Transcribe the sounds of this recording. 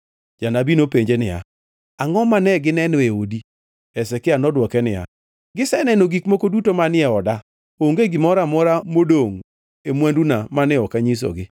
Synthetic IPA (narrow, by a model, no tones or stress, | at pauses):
d͡ʒanabinopeɲd͡ʒenɪja̰ | aŋɔmanɛɡɪnɛnɔeodi | ɛsɛkɪanɔdwɔkɛnɪja̰ | ɡɪsɛnɛnoɡikmokodutomanɪɛɔda | oŋɡeɡɪmɔɾamɔɾamodoŋ | emwandunamanɪɔkaɲis̬o̰ɡɪ